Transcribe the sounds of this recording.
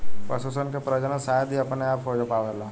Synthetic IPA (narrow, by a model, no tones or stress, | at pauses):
pəsusənkepɾəd͡ʒənə̃saːjd̪ʱiɐpneaːpoːd͡ʒəpaːʋelaː